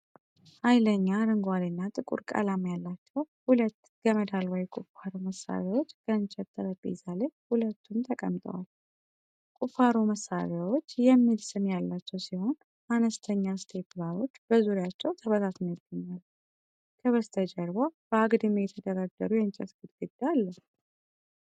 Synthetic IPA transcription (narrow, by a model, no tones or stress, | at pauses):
hajləɲːaɾɨŋɡwad̪ɨnːat̪ʼɨkʼṵɾkʼa̰lamjalːat͡ʃːɛwhulət̪ː | ɡəməd̪alwɔjkʼufaɾoməsa̰βewo̞t͡ʃːɡ̥ənt͡ʃʼɛt̪ʼːəɾəbʼḛzalehulət̪ːumt̪ʰəkʼə̰mt̪ʼə̰wal | kʼufaɾoməsa̰βjawo̞t͡ʃːjɛmːilsɨnjalːat͡ʃːɛwsiho̞n | ʔanəst̪ʰəɲːast̪ʰe̞plaɾo̞t͡ʃːbəzuɾjat͡ʃːɛwt̪ʰəβəzat̪njəɡːəɲːal | kʰəβəst̪ʰəd͡ʒəɾbab̥əaɡd̪ɨmejɛt̪ʰəd̪əɾaɡːəɾujɛnt͡ʃʼɛt̪ɡɨd̪ɡɨd̪alːə